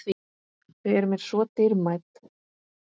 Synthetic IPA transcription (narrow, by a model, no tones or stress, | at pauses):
vi | ɪɛɾʏmɛɾ̥sɔːt̪ɪɾmajt̪